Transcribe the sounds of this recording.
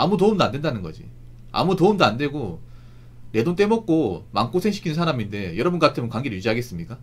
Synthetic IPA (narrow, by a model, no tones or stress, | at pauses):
amutoumdoandwe̞ndanɯnɡʌd͡ʑḭ | a̰mutoumdoande̞ɡo | ne̞dont͈e̞mʌk̚k͈omaŋk͈osʰe̞ŋɕʰi̥kʰinɯnsʰaɾaminde̞jʌɾʌbunɡʌkatʰɯmɯnkwaŋɡeɾɯɭjud͡ʑiɦaɡe̞s͈ɯmɲik͈a